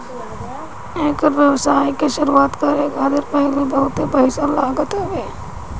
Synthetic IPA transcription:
eːkʋjɐʋsaːikeʃʊɾuaːt̪kɐɾeɡaːd̪ɪɾpɐɦlibɐɦʊt̪ebɐɪsalaːɡət̪ɦɐʋeː

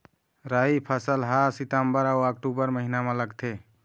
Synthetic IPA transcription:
ɾaipʰəsəlɦasit̪əmbəɾauək̚ʈubəɾməɦinamẽləɡt̪ʰe

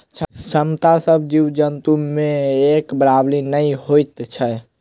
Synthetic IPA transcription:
t͡ʃʰsəmt̪asəbʱd͡ʒiwd͡ʒənt̪umẽekbɾablinəiɦojt̪t͡ʃʰə

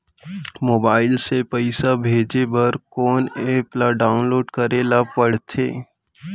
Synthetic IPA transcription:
moːbaːɪlsepəɪsabʱeːd͡ʒebɐɾkɔːneplaɖaːʊnloːɖkɐɾelapɐɽt̪ʰḛː

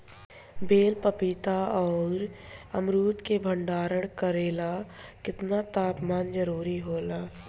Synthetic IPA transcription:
beːlpəpɪt̪aɔːɾ | əmɾuːt̪kebʱəɳɖaːɾəɽ̃kəɾeːla | kɪt̪nat̪aːpmaːnd͡ʒəɾuːɾiɦoːlaː

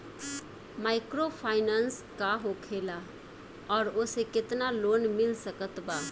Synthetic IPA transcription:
maːɪkɾoːpʰaːɪnaːnskaɦokʰeːla | ɔːɾʊsekɪt̪naloːnmɪlsəkət̪baː

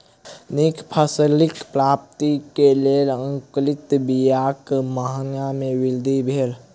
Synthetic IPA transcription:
nikʰpʰəslɪkpɾaːp̚t̪ikeleːlə̃ŋklɪt̪bijaːkmaɦnamẽwɪld̪ʱibʱeːl

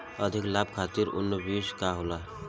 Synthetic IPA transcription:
əd̪ʱiklab̚ʱkʰat̪iɾʊ̰nːəbiskaɦola

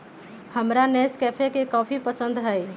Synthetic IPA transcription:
həmɾanɛːskɛːpʰekekɔːpʰipəsə̃nd̪ɦɛ

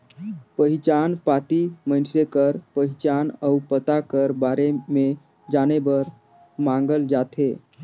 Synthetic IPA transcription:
pəɦit͡ʃanpat̪imənsɾekəɾpəɦit͡ʃanəupət̪akəɾbaɾeme | d͡ʒanebəɾ | mãŋ̆ɡəld͡ʒat̪e

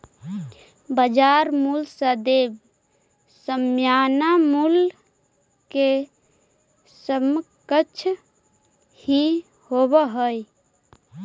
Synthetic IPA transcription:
bəd͡ʒaɾmulsəd̪eb | səmjanamul | ke | səmkət͡ʃʰ | hi | hobəɦəj

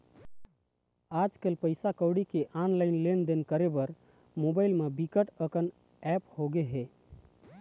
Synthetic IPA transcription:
ad͡ʒkelpəjsakəwɽikeʔanlaɪnlend̪enkəɾebəɾ | mobajlmebikəʈəkən | ɛphoɡeɦe

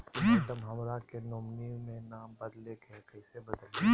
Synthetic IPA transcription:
t̪ɐmɦɐmɾakenomnimẽnaːbɐd̪lekɛkɐɪsebɐd̪əl

